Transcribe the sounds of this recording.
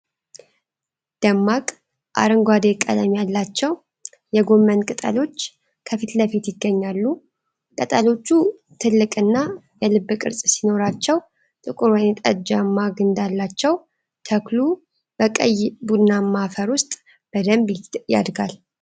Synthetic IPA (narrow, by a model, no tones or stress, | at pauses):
d̪̥əmːakʼ | ʔa̰ɾɨŋɡʷad̪ekʼːə̰d̪amijalːat͡ʃːɛw | jɛɡo̞mːənkʼɨt̪ʼə̰lo̞t͡ʃː | kʰəfit̪ləfit̪jɪɡːəɲːalːu | kʼət̪ʼəlo̞t͡ʃːu | t̪ʰɨlːɨkʼɨnːa | jɛlɨbːɨkʼɨ̰ɾsʼsino̞ɾat͡ʃːɛw | t̪ʼɨkʼuɾwajnt̪ʼəd͡ʒamːaɡɨnd̪alːat͡ʃːɛw | t̪ʰəklu | b̥əkʼə̰jbud̪namːafəɾwʊst̪ʼ | b̥əd̪əmbja̰d̪ɡa̰l